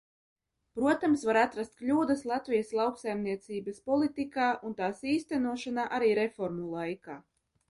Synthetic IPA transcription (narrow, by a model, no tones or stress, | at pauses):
pɾuɔt̪amsvaɾat̪ɾast̪̚klʲuːd̪ɐslˠat̪vʲijaslˠawksajmniɛt̪siːbɐspɔlˠit̪ikaːʔunt̪aːsiːst̪ænuɔʃanaːʔaɾiːɾefɔɾmulˠajkaː